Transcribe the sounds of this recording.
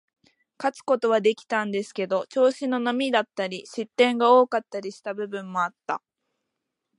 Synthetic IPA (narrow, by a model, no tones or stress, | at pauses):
kat͡sɨ̥ko̞t̪o̞β̞ad̪e̞kʲi̥t̪ãnd̪e̞sɨ̥ke̞d̪o̞t͡ɕo̞ːɕino̞nomʲid̪at̪ːaɾʲiɕit̪ːẽ̞ŋɡao̞ːkat̪ːaɾʲiɕi̥t̪abɯ̟bɯ̟̃mːo̞at̪ːa̰